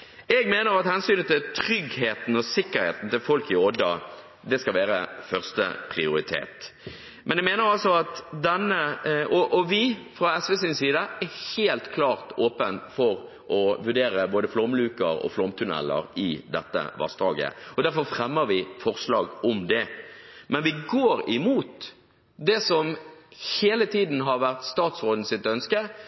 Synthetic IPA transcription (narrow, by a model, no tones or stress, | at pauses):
ɛɡmeːnəɾɑt̪hɛnsyːnt̪ɪlt̪ʰɾʏɡheːt̪n̩ɔsɪkːəɾhḛːt̪n̩t̪ɪlfɔlkɪɔd̪ə | d̪ɛskɑlʋæːɾəfœʁst̪ə̰pʰɾɪʊɾɪt̪ʰḛːt̪ | mɛnɛɡmeːnəɾɑlsɔɑt̪d̪ɛnːəɔʔɔʋɪfɾɑɛsʋɛsiːnsiːd̪əæɾheːlt̪kʰlɑːʁt̪oːpənfɔɾ | ɔʋʉɖeːɾəboːd̪əflɔmlʉːkəɾɔ̰flɔmt̪ʰʉnɛ̰lːə̰ɾɪd̪ɛt̪ːə̰ʋɑ̰st̪ɑːɡə̰ɔd̪æɾfɔɾfɾɛmːəɾʋɪfɔʁslɑːɡɔmd̪ɛmɛnʋɪɡoːɾɪmuːt̪ | d̪ɛsɔmheːlət̪ʰiːd̪n̩ɦɑɾʋæʁt̪st̪ɑːt̪sʁoːd̪n̩sɪt̪œnskə